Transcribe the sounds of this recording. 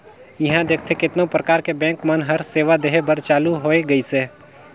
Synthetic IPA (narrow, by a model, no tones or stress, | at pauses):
jɐɦãd̪eːk̚ʰt̪ʰekɪt̪nõpɾəkaːɾkebɛ̃ːŋkmənɦɐɾseːʋad̪eɦebəɾt͡ʃaːluɦoːeɡəiseː